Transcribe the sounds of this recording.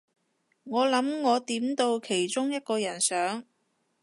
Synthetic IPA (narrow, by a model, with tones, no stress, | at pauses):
ŋɔː˨˧lɐ˨˥mŋɔː˨˧t̪iː˨˥mt̪o˧wkʰe˨˩jt͡ʃʊ˥ŋjɐ˥t̚kɔː˧jɐ˨˩nsœː˨˥ŋ